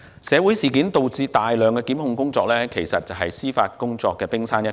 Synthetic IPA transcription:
sɛː˨˧wuː˨˥jsiː˨˩kiː˨˥nt̪o˨wt͡siː˧t̪aː˨jlœː˨ŋkɛː˧kiː˨˥mhʊ˧ŋkʊ˥ŋt͡sɔː˧k̚lɛː˥kʰe˨˩jsɐ˨t̚t͡sɐ˨wɦɐ˨jsiː˥faː˧t̚kʊ˥ŋt͡sɔː˧kːɛː˧pɪ˥ŋsaː˥njɐ˥

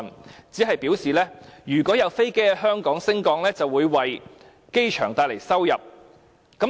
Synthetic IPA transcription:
nt͡siː˨˥ɦɐ˨jpiː˨˥wsiː˨˩lɛː˥jyː˨˩kʷɔː˨˥jɐ˨˧wfe˥jke˥jɦœː˥ŋkɔː˨˥ŋsɪ˥ŋkɔː˨˥ŋlɛː˥t͡sɐ˨wuː˨˧jwɐ˨j | ke˥jt͡ʃʰœː˨˩ŋt̪aː˧jle˨˩jsɐ˥wjɐ˨p̚ | kɐ˨˥

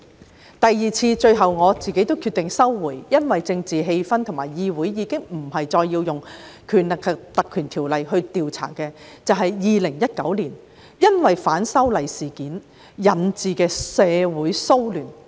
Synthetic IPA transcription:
t̪ɐ˨jːiː˨t͡sʰiː˧t͡ʃɵ˧ɥɦɐ˨wŋɔː˨˧t͡siː˨ke˨˥jt̪o˥wkʰy˧t̪ɪ˨ŋsɐ˥wːuː˨˩jjɐ˥nwɐ˨jt͡sɪ˧ŋt͡siː˨ɦe˧jfɐ˥nt̪ʰʊ˨˩ŋmaː˨˩jjiː˧wuː˨˥jjiː˨˧kɪ˥ŋm̩˨˩hɐ˨jt͡ʃɔː˧jːiː˧wjʊ˨ŋkʰyː˨˩nlɪ˨kʰːɐ˨k̚t̪ɐ˨kʰːyː˨˩nt̪ʰiː˨˩wlɐ˨jɦɵ˧ɥt̪iː˨wt͡sʰa̰ː˨˩kɛː˧t͡sɐ˨wɦɐ˨jjiː˨lɪ˨˩ŋjɐ˥t̚kɐ˨˥wliː˨˩n | jɐ˥nwɐ˨jfaː˨˥nsɐ˥wlɐ˨˩jsiː˨˩kiː˨˥n | jɐ˨˩nt͡siː˨kɛː˧sɛː˨˧wuː˨˥jso˥wlyː˨˩n

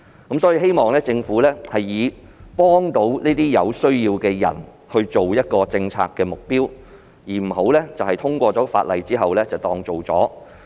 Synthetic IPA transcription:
kɐ˨˥msɔ˨˥jiː˧ɦe˥jmɔː˨ŋlɛː˥t͡sɪ˧ŋfuː˨˥lɛː˥hɐ˨jːiː˨˧ | pɔː˥ŋt̪o˨˥wniː˥t̪iː˥jɐ̰˨˧wsɵ˥ɥjiː˧wkɛː˧jɐ̰˨˩n | hɵ˧ɥt͡ʃo˨wjɐ˥t̚kɔː˧t͡sɪ˧ŋt͡sʰa̰ː˧kːɛː˧mʊ˨k̚piː˥w | jiː˨˩m̩˨˩ho˨˥wlɛː˥t͡sɐ˨whɐ˨jt̪ʰʊ˥ŋkʷɔː˧t͡sɔː˨˥fa̰ː˧t̚lɐ̰˨jt͡siː˥ɦɐ˨wlɛː˥t͡sɐ˨wt̪ɔː˧ŋt͡so˨˩wt͡sɔ̰ː˨˥

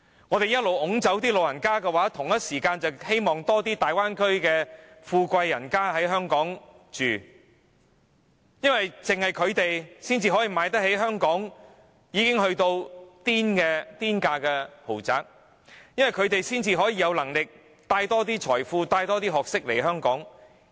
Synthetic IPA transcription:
ŋɔː˨˧t̪e˨jɐ˥t̚lo˨wʔʊ˨˥ŋt͡sɐ˨˥wt̪iː˥lo˨wjɐ˨˩nkaː˥kɛː˧waː˨˥t̪ʰʊ˨˩ŋjɐ˥t̚siː˨˩kaː˧nt͡sɐ˨whe˥jmɔː˨ŋt̪ɔː˥t̪iː˥t̪aː˨jwaː˥nkʰɵ˥ɥkɛː˧ | fuː˧kʷɐ˧jːɐ˨˩nkaː˥ɦɐ˨˥jɦœː˥ŋkɔː˨˥ŋ | t͡ʃyː˨ | jɐ˥nwɐ˨jt͡sɪ˨ŋhɐ˨jkʰɵ˨˧ɥt̪e˨jsiː˥nt͡siː˧ɦɔː˨˥jiː˨maː˨˧jt̪ɐ˥k̚ɦe˨˥jɦœː˥ŋkɔː˨˥ŋ | jiː˨˧kɪ˥ŋɦɵ˧ɥt̪o˧wt̪iː˥nkɛ˧t̪iː˥nkaː˧kɛ˧ho˨˩wt͡sa̰ː˨k̚ | jɐ˥nwɐ˨jkʰɵ˨˧ɥt̪e˨jsiː˥nt͡siː˧ɦɔː˨˥jiː˧jɐ˨˧wlɐ˨˩ŋlɪ˨k̚ | t̪aː˧jt̪ɔː˥t̪̬iː˥t͡ʃʰɔː˨˩jfuː˧t̪aː˧jt̪ɔː˥t̪iː˥ɦɔː˨k̚sɪ˥k̚le˨˩jɦœː˥ŋkɔ̰ː˨˥ŋ

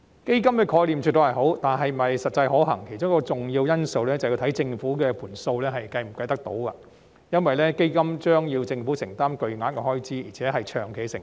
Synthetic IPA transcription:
ke˥jkɐ˥mkɛː˧kʰɔː˧jliː˨˩mt͡ʃʰyː˨t̪ːo˨˧hɐ˨˩jho˨˥wt̪aː˨nɦɐ˨˩jm̩˨˩ɐ˨˩jsɐ˨t̚t͡sɐ˧jɦɔː˨˥ɦɐ̰˨˩ŋkʰe˨˩jt͡ʃʊ˥ŋkɔː˧t͡sʊ˨ŋjiː˧wjɐ˥nso˧wlɛː˥t͡sɐ˨˩wji˧wt̪ʰɐ˨˥jt͡sɪ˧ŋfuː˨˥kɛː˧pʰuː˨˩nso˧wlɛː˥ɦɐ˨jkɐ˧jm̩˨˩kɐ˧jt̪ɐ˥k̚t̪o̰˧˥wkɐ̰˧ | jɐ˥nwɐ˨jlɛː˥ke˥jkɐ˥mt͡ʃœː˥ŋjiː˧wt͡sɪ˧ŋfuː˨˥sɪ˨˩ŋt̪aː˥mkɵ˨ɥŋaː˨˥nkɛ˧hɔː˥jt͡siː˥jiː˨˩t͡sʰɛː˨˥ɦɐ˨jt͡ʃʰœː˨˩ŋkʰe˨˩jsɪ˨˩ŋ

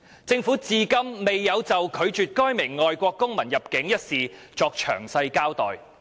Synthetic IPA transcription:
t͡sɪ˧ŋfuː˨˥t͡siː˨˧kɐ˥mːe˨jːɐ˨˧wt͡sɐ˨wkʰɵ˨˧ɥt͡ʃyː˨t̚kɔː˥jmɪ˨˩ŋːɔː˨jkʷɔː˧kːʊ˥ŋmɐ˨˩njɐ˨p̚kɪ˨˥ŋjɐ˥t̚siː˨ | t͡sɔː˧k̚t͡ʃʰœ̰ː˨˩ŋsɐ˧jkaː˥wt̪ɔː˨j

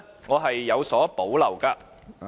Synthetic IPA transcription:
ŋɔː˨˧ɦɐ˨jːɐ˨˧wsɔː˨˥po˨˥wlɐ˨˩wkaː˧

